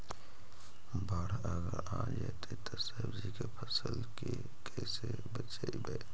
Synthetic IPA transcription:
baːɾ | əɡəɾãːd͡ʒat̪ʰet̪osəbd͡ʒikepʰəsəlke | kʰɛːse | bət͡ʃaibɛ

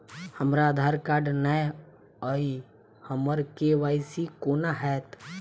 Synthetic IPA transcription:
həmɾaːd̪ʱaːɾkaːɾɖnaj | əi | həməɾkeʋaːjsikoːnaɦɛːt̪

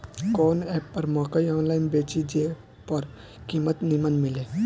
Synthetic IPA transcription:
kɔːnɛːpːɐɾmɔːkəjɔːnlaːɪnbeːt͡ʃid͡ʒe | pɐɾ | kiːmət̪nimənmɪleː

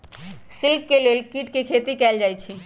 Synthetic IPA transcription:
silp̚kelelkiʈkekʰet̪ikɛld͡ʒajt͡ʃʰi

